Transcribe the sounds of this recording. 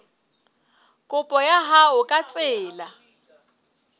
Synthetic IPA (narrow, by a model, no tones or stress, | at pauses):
kʼʊpʼɔjaɦaʊkʼat͡sʼɪːla